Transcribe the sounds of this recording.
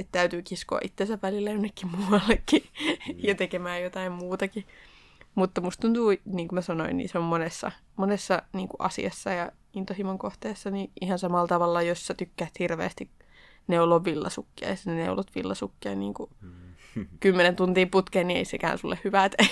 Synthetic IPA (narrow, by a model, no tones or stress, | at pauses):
et̪t̪æyt̪yːkisko̰ɑ̰ʔit̪ːensæʋʋælilːæjonːekːimmuɑlːekːijɑt̪ekemæːjjot̪ɑimmuːt̪ɑki | mut̪ːɑmust̪unt̪uːniːŋkumæsɑnoinnḭseommonesːɑ̰monesːɑniːŋkuʔɑ̰sḭɑsːɑjɑ | int̪ohimoŋkoht̪eːsːɑniʔihɑnsɑmɑlːt̪ɑʋɑlːɑjosːæt̪ykːæːt̪hirʋḛːst̪ik | neuloʋʋilːɑ̰sukːiɑ̰jɑsænenḛulot̪ʋḭlːɑsukːiɑ̰nnḭːŋku | kymːenent̪unt̪iːmput̪keːnniḛisekæ̰ːnsulːehhyʋæt̪e